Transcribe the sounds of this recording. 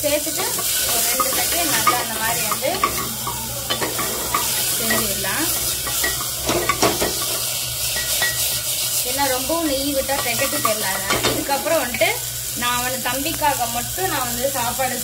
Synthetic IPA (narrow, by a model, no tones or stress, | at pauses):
peːsɯʈːɯ | ɔɾɾɛɳɖɯt̪ɐkːenːɐlaɐnd̪ɐmaːd̪ɾiʋɐnd̪ɯ | sɛɲd͡ʒɯɪɾlãː | ɛnːaɾɔmbɐʋ̃nijiʋɪʈːaːsɛkːɐʈːɯsɛɾɐlaːlãːʔɪðɯkːɐpːɯɾɔ̃ɔnːʈːɯ | nãːɐʋɐnɯt̪ɐmbɪkːaːɣɐmɐʈːɔ̃nãːʋɐnd̪ɯsaːpaːɽɯ